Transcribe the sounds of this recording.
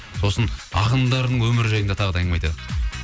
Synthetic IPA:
so̞sənɑ̰qənd̪ɑɾənəɴwɵmɪɾɪʒɑjənd̪ɑt̪ʰɑʁəd̪ɑjəɴmɑjt̪ɑd̪ə

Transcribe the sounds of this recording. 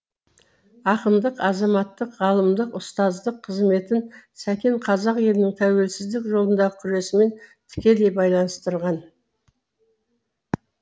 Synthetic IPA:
ɑqəmd̪əqɑzɑmɑt̪ːəqʁɑlˠəmd̪əqʊst̪ɑzd̪əqʰːəzme̞t̪ɪnsækʲe̞ɴqʰɑzɑqje̞lɪnɪŋt̪ʰæwe̞lsɪzd̪ɪkʒo̞lˠənd̪ɑʁəkʲʰʏɾe̞sɪme̞nt̪ʰɪ̥kʲe̞d̪e̞jbɑjlˠɑnəst̪əɾʁɑn

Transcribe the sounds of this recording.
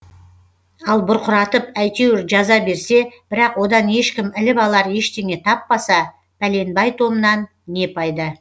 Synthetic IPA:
ɑlˠbʊɾqʰʊɾɑt̪əpæjt̪e̞wɪɾʒɑzɑbe̞ɾse̞b̥ɪɾɑqwo̞d̪ɑnje̞ʃkʲɪmɪlɪbɑlˠɑɾje̞ʃt̪e̞ŋe̞t̪ʰɑpːɑsɑ | pʰæle̞nbɑjt̪ʰo̞mənɑnːe̞pʰɑjd̪ə

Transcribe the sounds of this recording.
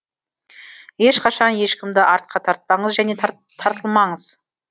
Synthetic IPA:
je̞ʃqʰɑʃɑnje̞ʃkʲɪmd̪ɪʔɑɾt̪̚qʰɑt̪ʰɑɾt̪̚pɑɴəzʒæne̞ | t̪ʰːɑɾt̪əlˠmɑɴəz̥

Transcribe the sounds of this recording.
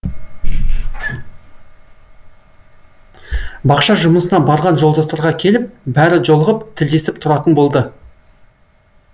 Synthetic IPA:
bɑqʃɑʒʊməsənɑbɑɾʁɑnʒo̞lˠd̪ɑst̪ɑɾʁɑkʲʰe̞lɪp̚bæɾɪʒo̞lˠəʁəpt̪ʰɪld̪e̞sɪpt̪ʰʊɾɑt̪ənbo̞lˠd̪ə

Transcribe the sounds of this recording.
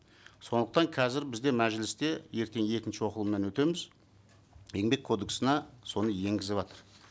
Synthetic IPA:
so̞nd̪əq̚t̪ɑŋqʰɑzɪɾbɪzd̪e̞mæʒɪlɪst̪e̞je̞ɾk̪ʲe̞ŋje̞kʲɪnʃɪwo̞qəlˠəmːenwɵt̪e̞mɪz | je̞ŋbe̞kʰːo̞d̪eksənɑso̞nəje̞ŋɡʲɪzɪbɑt̪əɾ

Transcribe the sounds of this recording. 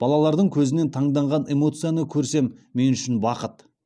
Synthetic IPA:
b̥ɑlˠɑlˠɑɾd̪əɴkʲʰɵzɪne̞nt̪ʰɑɴd̪ɑɴʁɑne̞mo̞t̪sɨjanəkʲʰɵɾse̞mːe̞nʏʃɪnbɑqət̪

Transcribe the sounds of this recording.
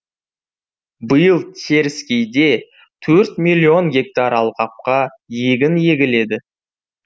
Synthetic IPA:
bəjəlˠt̪ʲʰe̞ɾɪskʲejd̪e̞ | t̪ʰɵɾt̪mijlʲːio̞nɡʲe̞k̚t̪aɾɑlˠqɑp̚qɑ | je̞ɡʲɪnje̞ɡʲɪle̞d̪ɪ

